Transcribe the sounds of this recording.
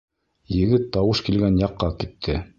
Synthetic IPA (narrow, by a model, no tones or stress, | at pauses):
jɘ̆ɡɘt̪ːɑwɤʃkilɡænjɑqːɑkit̪ʰːɘ